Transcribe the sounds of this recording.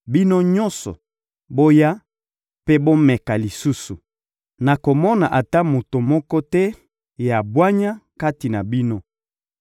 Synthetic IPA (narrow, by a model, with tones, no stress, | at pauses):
bi˦no˦ɲɔ̃˦nsɔ̰˨ | bo˦ja˦ | pe˦bo˦mɛ˨ka˨li˨su˦su˨ | na˨ko˨mɔ˦na˨ʔa˨ta˦mo˨to˨mɔ˦kɔ˦tɛ˦ | ja˨bwa˦ɲa˦ka˦ti˨na˨bi˦no˦